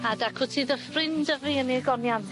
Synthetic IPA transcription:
adakʰʊtʰiːðəfrɪndəviəniəɡɔnjan

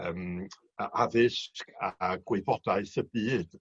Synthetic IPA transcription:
əm | aʔavɪʃkʰaɡ̥wɪbɔd̥aɨsəbiːd̥

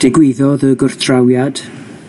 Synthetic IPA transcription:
d̥ɪɡwɪðɔðəɡʊrθʰrawjad̥

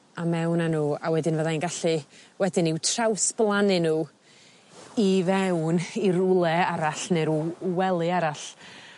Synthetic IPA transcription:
amɛwnanuːawɛdɪnvəðainɡaɬɨwɛdɪniwtʰrawsb̥lˠanɨnuː | ivɛwniɾʊlˠɛaɾaɬneɾwɛlˠɨaɾaɬ

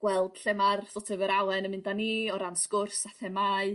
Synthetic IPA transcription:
ɡ̥wɛlˠd̥ɬɛmarsɔtʰɛvəɾawɛnəmɪndaniːɔɾanskʊrsaθɛmaɨ

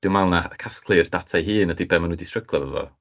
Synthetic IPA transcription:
d̥ɪwmalˠnaəkʰaskʰlˠɨrdatʰajɦɨːnədibɛmanwidistr̥əɡlˠavəvɔ̰

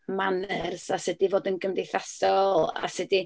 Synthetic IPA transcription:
manərsasədivoːdənɡəmdejθasɔlˠa̰sɨdi

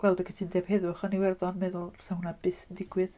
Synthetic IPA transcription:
ɡ̥wɛlˠdɔkʰətʰindɛv̥hɛðʊχəniwɛrðɔnmɛðʊlˠsahunabɨθdɪɡ̥wɨð

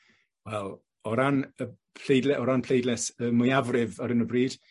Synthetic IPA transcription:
wɛlˠ | ɔɾanə | pʰlejdlɛʔɔɾanpʰl̥ejdlɛsəmʊjavrɪvɔɾənəbriːd̥

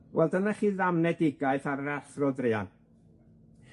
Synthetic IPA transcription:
wɛlˠdənaχiːðamnɛdɪɡaɨθaɾəɾaɬrɔdrɪa̰n

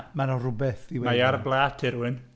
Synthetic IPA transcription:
manɔrʊbɛθdiwemaarblˠaːtʰɪɾuɪn

